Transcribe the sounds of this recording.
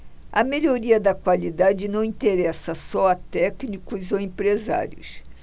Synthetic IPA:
ɐmeʎoɾiɐd̪ɐkwalid̪ad͡ʒɪnɐ̃w̃ĩt̪eɾɛsɐsɔɐt̪ɛknikʊzoẽpɾeza̰ɾjʊ̰s

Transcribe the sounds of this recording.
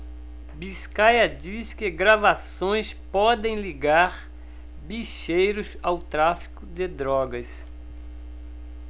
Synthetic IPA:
biskajɐd͡ʒiskɪɡɾavasõj̃spɔd̪ẽj̃liɡaɾ | biʃejɾʊzawt̪ɾafi̥kʊd̪ɪd̪ɾɔɡɐs

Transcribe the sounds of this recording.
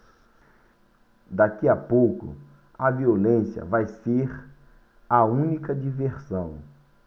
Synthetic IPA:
d̪akiɐpowkʊ̰ | ɐviolẽsjɐ̰vajseɾ | ɐũnikɐd͡ʒiveɾsɐ̃w̃

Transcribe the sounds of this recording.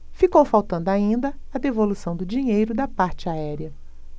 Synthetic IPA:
fikowfawt̪ɐ̃nd̪ʊaĩnd̪ɐ | ɐd̪evolusɐ̃w̃d̪ʊd͡ʒĩɲejɾʊd̪ɐpaɾt͡ʃɪaɛɾiɐ

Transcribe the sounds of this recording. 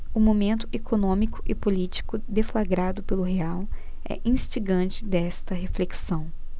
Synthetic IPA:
ʊmomẽnt̪ʊʔekonõmikʊ̥ʔɪpolit͡ʃi̥kʊd̪eflaɡɾad̪ʊpelʊɦeaw | ɛ̰ʔĩst͡ʃiɡɐ̃t͡ʃɪd̪ɛst̪ɐɦefleksɐ̃w̃

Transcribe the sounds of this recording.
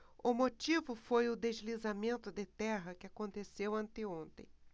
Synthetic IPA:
ʊmot͡ʃivʊfojʊd̪ezlizamẽnt̪ʊd̪ɪt̪ɛɦɐkɪakõnt̪esewɐ̃nt̪ɪõnt̪ḛ̃j̃

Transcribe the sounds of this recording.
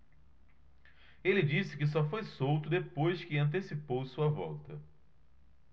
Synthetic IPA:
elɪd͡ʒisɪ̥kɪs̬ɔfojsowt̪ʊd̪epojskɪɐ̃nt̪̬esipowsuɐvɔ̰wt̪ɐ

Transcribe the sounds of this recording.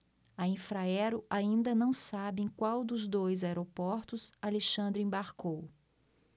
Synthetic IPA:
ɐĩfɾaɛɾʊʔaĩnd̪ɐnɐ̃w̃sabẽj̃kwawd̪ʊzd̪ojzaeɾopɔɾt̪ʊzaleʃɐ̃nd̪ɾʊẽbaɾkow

